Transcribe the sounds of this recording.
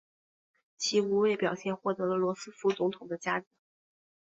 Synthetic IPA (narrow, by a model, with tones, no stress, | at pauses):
t͡ɕʰi˧˥u˧˥we˥˩ɪpjɑ˨˩ʊɕjɛ˥˧nxwɔ˥˩t̪ɤ˧˥ɤə˧lwɔ˧˥sɹ̩˥fu˧˥t͡sʊ˧˥ŋt̪ʰʊ˨˩ŋd̪ə˦t͡ɕja˥ʈ͡ʂ̩˧˥˦